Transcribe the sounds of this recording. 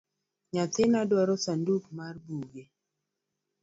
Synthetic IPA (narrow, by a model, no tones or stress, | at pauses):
ɲatɪnadwaɾɔsandukmarbuɡe